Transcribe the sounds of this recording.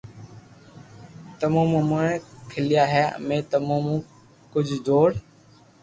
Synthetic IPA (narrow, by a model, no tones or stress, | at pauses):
t̪əmõːmũːmoẽːkʰɪlɪjaːɦɛ̰ːmẽːt̪əmõːmũː | kʊd͡ʒʱd͡ʒoːɽ